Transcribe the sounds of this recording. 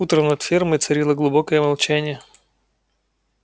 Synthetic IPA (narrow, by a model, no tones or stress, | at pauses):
ut̪ɾənɐt̪fʲirməjt̪sɐɾʲilˠəɡlˠʊbokəjəmɐlˠt͡ɕænʲɪjə